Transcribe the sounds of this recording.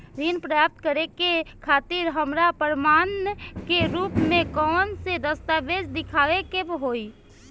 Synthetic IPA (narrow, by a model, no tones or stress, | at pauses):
ɾinpɾjap̚t̪̚kəɾekekʰaːt̪iɾɦəmɾapəɾmaːnkeɾuːpmẽkɔːnsed̪əst̪abed͡ʒd̪ɪkʰaːʋekebɦoi